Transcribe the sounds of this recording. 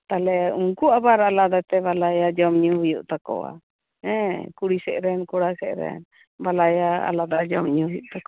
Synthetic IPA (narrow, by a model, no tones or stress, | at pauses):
t̪alɛuŋkuabaɾalad̪at̪ɛbalajad͡ʒɔmɲuhujuʔt̪akɔ̰wa̰ | ɛ̃kuɽisɛʔɾɛnkuɽasɛʔɾɛ̰n | balajaa̰lad̪ad͡ʒɔmɲuhɦujuʔt̪akɔ